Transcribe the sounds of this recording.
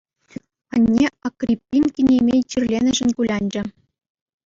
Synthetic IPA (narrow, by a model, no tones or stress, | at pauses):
ɑnʲːeɑkrʲipʲːinkʲinʲemʲejt͡ɕʲirʲlʲenʲɘ̆ʒɘ̆nkulʲɑnʲd͡ʑɘ̆